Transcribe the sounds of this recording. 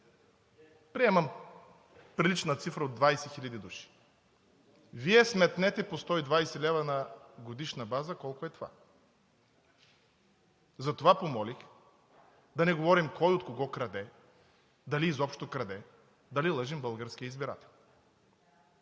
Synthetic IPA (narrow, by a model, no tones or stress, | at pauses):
pɾiɛmɐm | pɾilit͡ʃnət̪sifɾəod̪vajsɛxilʲɐd̪id̪uʃi̥ | viɛsmɛt̪nɛt̪ɛpost̪ɔid̪vajsɛlɛvɐnɐɡod̪iʃnɐbazəkɔlˠkʊɛt̪ova̰ | zɐt̪ovapomɔlʲix | d̪ɐnɛɡovɔɾimkɔjot̪koɡɔkɾɐd̪ɛ | d̪ɐliːzɔpʃt̪okɾɐd̪ɛ | d̪ɐlilˠəʒimbəlˠɡəɾskʲijəizbiɾa̰t̪ɛ̥lˠ